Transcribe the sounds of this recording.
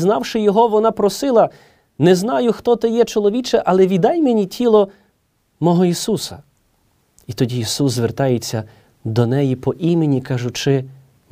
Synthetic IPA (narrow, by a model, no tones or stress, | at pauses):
znɑwʃɪjɔɦɔʋɔnɑpɾɔsɪlˠɐ | nɛznɑjʊxt̪ɔt̪ɪjɛt͡ʃɔlˠɔʋʲit͡ʃɛʔɐlˠɛʋʲid̪ɑjmenʲitʲʰilˠɔ | mɔɦɔisusɐ | it̪ɔdʲiisuszʋert̪ɑjet͡sʲːɐ | d̪ɔnɛjipɔʔimenʲikɑʒʊt͡ʃɪ